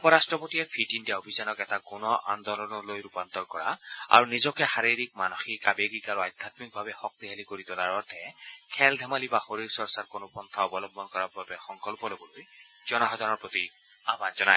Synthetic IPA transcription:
ɔpɔɹastɹɔpotiɛpʰitindijaobʱizanɔkɛtakunɔʔand̪ɔlɔnɔlojɹupant̪ɔɹkɔɹa̰a̰ɹunizɔkɛxaɹiɹik̚manoxikabeɡikaɹuajd̪ʱat̪mik̚bʱabɛxɔk̚t̪iɦalikoɹit̪ʊlaɹɔɹt̪ʰɛkʰɛld̪ʱɛmalibaxoɹiɹsɔɹsaɹkonʊpɔnt̪ʰaɔbɔlɔbʱɔnkɔɹabbabɛxɔŋkɔlpɔlobɔloj | z̥ɔnɔxɔd̪ʱanɔɹpɹot̪i | abanzɔnaj

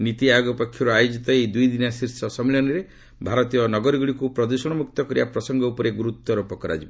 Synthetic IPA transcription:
nit̪iajoɡɔpɔkʰːjɔɾuajod͡ʒit̪ɔejd̪ujd̪inasiɾsɔsɔmilɔnɔɾe | bʱaɾɔt̪ijɔnɔɡɔɾiɡuɽikupɾɔd̪usɔɽ̃ɔmuk̚t̪ɔkɔɾibapɾɔsɔŋɡɔupɔɾeɡuɾut̪ːɔɾopɔkɔɾa̰d͡ʒibɔ

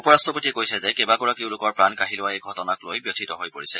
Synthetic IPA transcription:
upɔɹastɔpotiɛkojsɛzɛkɛbaɡɔɹakeʊ̃lʊkɔɹpɹankaɦilʊwaejɡʱɔtɔnaklojbjotʰitɔɦojpoɹisɛ

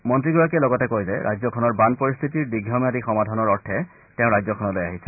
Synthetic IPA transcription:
mɔntɹiɡɔɹak̬ɛlɔɡɔtɛkojzɛʔa̰jzɔkʰɔnɔɹbanpɔɹist̪ʰitiɹdiɡʱjɔmadixɔmadʱɔnɔɹɔɹtʰɛ | tɛʊ̃ɹajzɔkʰɔnɔlojaɦisʰɛ̥

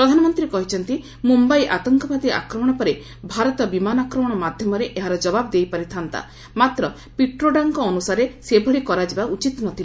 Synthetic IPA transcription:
pɾɔd̪ʱanɔmɔnt̪ɾiɾekɔɦit͡ʃʰɔnt̪i | mumbajʔat̪ɔŋkɔpat̪ia̰kɾɔmɔɽ̃ɔpɔɾe | bʱaɾɔt̪ɔbimanakɾɔmɔɽ̃ɔmad̪ʱjɔmɔɾeʔeɦaɾɔd͡ʒɔbabɔd̪ejpaɾit̪ʰant̪a̰ | mat̪ɾɔ | piʈɾoɖaŋkɔːnusaɾesebʱɔɭikɔɾad͡ʒibaut͡ʃit̪nɔt̪ʰili

